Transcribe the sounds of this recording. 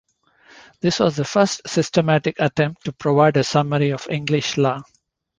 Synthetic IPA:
d̪̥ɪsʋɔːzd̪əfəɾsʈsɪsʈəmæʈɪkəʈɛ̃mp̚ʈːupɾoʋaɪɖəsʌməɾiɔfɪ̃ŋɡlɪʃlaː

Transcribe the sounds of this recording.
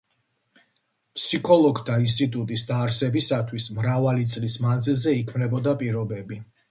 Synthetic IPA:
pʰsikʰɔlˠɔɡd̪ʰains̬t̪ʼit̪ʼut̪ʼisd̪aːɾsɛbisat̪ʰwismɾavalit̪sʼlismanzilˠzɛikʰmnɛbɔd̪apʼiɾɔbɛbi

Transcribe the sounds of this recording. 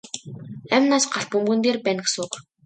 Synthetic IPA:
æmʲnaːsɢaɬt̚pɵmɡɘ̆nt̪eːrpæːnɘ̆ksʊːk

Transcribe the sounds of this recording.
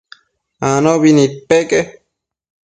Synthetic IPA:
anoβinit̪̚peke

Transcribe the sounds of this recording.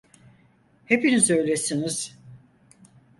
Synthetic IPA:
he̞pinizø̞jlʲesiniz̥

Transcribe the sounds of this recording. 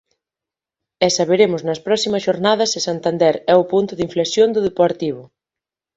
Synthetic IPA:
ɛsaβeɾemʊznɐspɾɔsimɐsʃoɾnað̞ɐsɪsant̪and̪ɛɾɛʊpunt̪ʊðiɱflesjond̪ʊðepoɾt̪iβʊ

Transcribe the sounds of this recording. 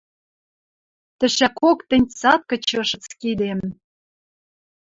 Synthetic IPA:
t̪ɘ̆ʃækokt̪ɘ̆nʲt͡sɑt̪̚kɤ̆t͡ɕɤ̆ʃɤ̆t͡skid̪em

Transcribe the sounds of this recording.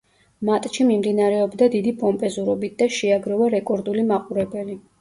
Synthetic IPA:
mat̪ʼʃimimd̪inaɾɛɔbd̪ad̪id̪ipʼɔmpʼɛzuɾɔbit̪̚ʰd̪aʃɛaɡɾɔvaɾɛkʼɔɾd̪ulimaqʼuɾɛbɛli

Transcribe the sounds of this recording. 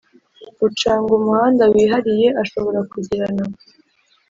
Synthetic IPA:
ut͡ʃaːŋɡumuhaːndawiːɦaɾije̞ʔaʃo̞βo̞ɾakuɟiɾana

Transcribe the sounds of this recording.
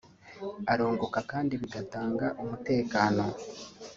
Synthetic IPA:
aɾo̞ːŋɡo̞kakaːndiβiɡataːŋɡaʔumute̞ːkaːno̞

